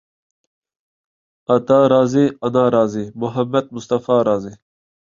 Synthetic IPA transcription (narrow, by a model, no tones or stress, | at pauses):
ɐt̪aːɾaːziɐnaːɾaːziːmʊɦɐmːɐd̪̚mʊst̪ɐfaːɾaːzeː